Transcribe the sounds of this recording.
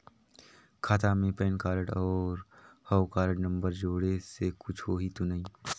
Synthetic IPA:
kʰaːt̪amẽpɛːnkaːɾəʈɔːɾhɔwkaːɾəʈnə̃mbəɾd͡ʒoːɽesekʊt͡ʃʰɦoːɦit̪onɐɦĩ

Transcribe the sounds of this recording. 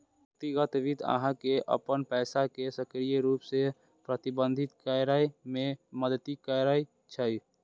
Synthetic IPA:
k̚t̪iɡət̪ʋid̪ə̰ɦãkeʔə̰pənpɛɪsakesəkɾijəɾuːpse | pɾət̪ibə̃nd̪ʱit̪kəɾəjmẽməd̪ət̪ikəɾəj | t͡ʃʰəj

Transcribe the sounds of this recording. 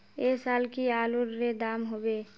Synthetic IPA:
esaːlkiaːluɾːed̪aːmɦobe

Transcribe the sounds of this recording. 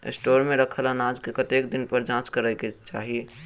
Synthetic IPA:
ɪ̰sʈoːɾmẽɾəkʰlanaːd͡ʒkekət̪eːkd̪ɪnpəɾd͡ʒãːt͡ʃkəɾəket͡ʃa̰ːɦie

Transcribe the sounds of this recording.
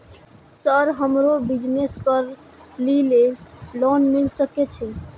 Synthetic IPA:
səɾɦəmɾobid͡ʒmeskəɾ | lilelɔnmilsəkɛt͡ʃʰɛ

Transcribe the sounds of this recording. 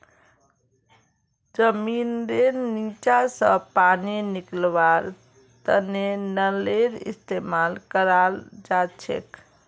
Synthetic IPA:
d͡ʒəminɾennit͡ʃasəpaniniklbaɾ | t̪ənenəleɾḭst̪emalkəɾald͡ʒat͡ʃʰḛk

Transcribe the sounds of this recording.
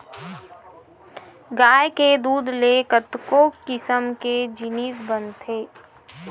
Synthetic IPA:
ɡaːjked̪uːd̪ʱlekət̪kokɪsəmked͡ʒɪniːsbənt̪ʰeː

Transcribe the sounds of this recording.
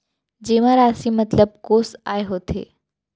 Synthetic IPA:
d͡ʑeʋ̤ãɾasĩmət̪ləb̚koːsaːeɦoːt̪ʰḛː

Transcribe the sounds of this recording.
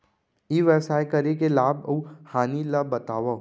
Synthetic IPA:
iːʋɛːsaːjkɐɾekelaːbɐ̰uhaːnilabɐt̪aːʋa

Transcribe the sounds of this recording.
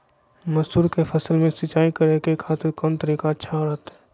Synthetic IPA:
mɐsuːɾkefɐsəlmẽsɪt͡ʃaːikɐɾekekʰaːt̪ɪɾkɔːnt̪əɾiːkaətːʃʰaɦoɾat̪ɦɛː

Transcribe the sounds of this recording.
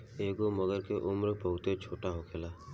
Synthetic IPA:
eːɡoməɡəɾkeʔʊmɾpəɦʊt̪et͡ʃʰoːʈaɦokʰeːlaː

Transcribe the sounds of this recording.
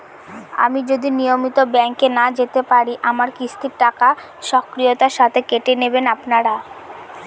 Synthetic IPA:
a̰mid͡ʑod̪inijomit̪obɛŋkenad͡ʑet̪epaɾiʔamaɾkist̪ʰiɾʈaka | ʃɔkɾijot̪aɾʃat̪ʰekeʈenebenapnaɾa

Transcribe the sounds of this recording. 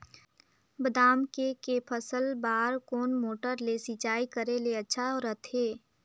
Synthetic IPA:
bəd̪aːmkekepʰəsəlbaːɾkoːnmoːʈəɾlesit͡ʃaːikəɾeleɐtːʃʰaɔːɾət̪ʰeː

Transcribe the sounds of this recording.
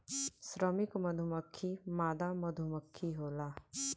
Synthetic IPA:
sɾəmɪkmɐd̪ʱuməkʰːimaːd̪amɐd̪ʱuməkʰːiɦoːlaː

